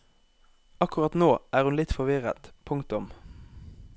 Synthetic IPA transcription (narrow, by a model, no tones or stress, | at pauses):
ɑkʊʁɑt̪noːʔæːʁhʉnlɪt̪fɔʁʋɪʁə̰t̪pʰʊŋkt̪ʊm